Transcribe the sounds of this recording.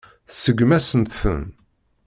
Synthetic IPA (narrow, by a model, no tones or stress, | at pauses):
θsəɡmæsənt̪θə̰n